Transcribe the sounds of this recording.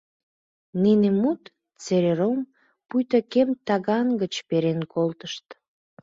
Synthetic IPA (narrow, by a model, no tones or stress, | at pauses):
ninemut̪ | t͡seɾeɾom | pujt̪əkemt̪ɑɣɑnɡət͡ɕpeɾenkʰolt̪əʃt̪